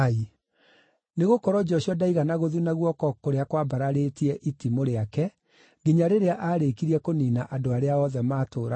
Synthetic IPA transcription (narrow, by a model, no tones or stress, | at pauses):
i | neɣokɔɾɔd͡ʒɔɕiɔdaiɣanaɣoðunaɣwɔkɔkoɾeakwabaɾaɾetiɛʔitimoɾeakɛ | ɡiɲaɾeɾeaʔaːɾekiɾiɛkoniːnaʔadoaɾeaɔðɛmaːtoːɾa